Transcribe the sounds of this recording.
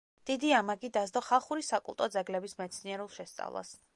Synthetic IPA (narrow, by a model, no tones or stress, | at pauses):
d̪̥id̪iamaɡid̪azd̪ɔχalˠχuɾisakʼṵlˠt̪ʼɔd̪zɛɡlɛbismɛt̪sʰniɛɾulˠʃɛst̪sʼa̰vlˠa̰s